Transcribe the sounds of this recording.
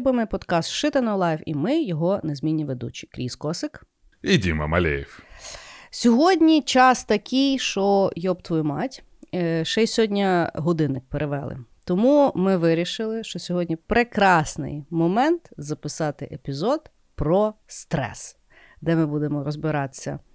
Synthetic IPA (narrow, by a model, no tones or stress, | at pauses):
bɪmɪpɔd̪kɑst̪ʃɪt̪ɐnɔlˠɑjwimɪjɔɦɔnezʲmʲinʲːiʋed̪ṵt͡ʃi̥kɾʲḭskɔsɪk | idʲimɐ̰mɐ̰lʲḛjiw | sʲɔɦɔdʲnʲit͡ʃɑst̪ɐkʰʲijʃt͡ʃɔjɔbt̪ʋɔjmɑtʲ | ʃɛjsʲɔdʲnʲɐɦɔd̪ɪnɪk̚peɾeʋɛlˠɪ̰t̪ɔmumɪʋɪɾʲiʃɪlˠɪʃt͡ʃɔsʲɔɦɔdʲnʲipɾekɾɑsnɪ̰jmɔmɛnt̪zɐpɪsɑt̪ɪʔepʲizɔd̪ | pɾɔst̪ɾɛ̰s | d̪ɛmɪbud̪emɔɾɔzbɪɾɑt̪ɪ̥sʲːɐ̰